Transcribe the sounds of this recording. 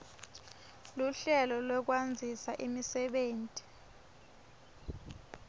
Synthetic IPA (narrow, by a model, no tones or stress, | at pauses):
luɬɛlɔlwɛk̬wand͡zʱisaʔimisɛɓeːntʼi̥